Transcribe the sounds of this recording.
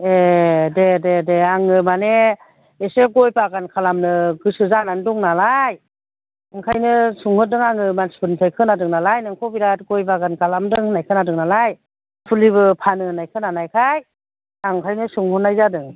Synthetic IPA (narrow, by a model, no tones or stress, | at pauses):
edededeaŋɯmane | eseɡɔjpaɡankʰalamnɯɡɯsɯzanandɔŋnalaj | aŋkʰajnɯsuŋhɯdɯŋaŋɯmanspʰɯnpʰajkʰɯnadɯŋnalajnaŋkʰɔbiɾat̚ɡɔjpaɡankʰalamdɯŋɯnajkʰɯnadɯŋnalaj | pʰuliβɯpʰanɯnajkʰɯnanajkʰaj | aŋkʰajnɯsuŋhɔnːajzadɯŋ